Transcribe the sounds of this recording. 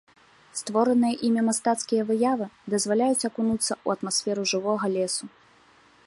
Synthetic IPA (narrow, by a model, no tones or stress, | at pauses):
st̪vɔɾɨnɨjɐʔimʲɛmast̪at̪skʲijɐvɨjavɨd̪ɐzvalʲajut͡sʲakunut̪sːɐuɐt̪masʲfʲɛɾuʐɨvɔɣɐlʲɛsu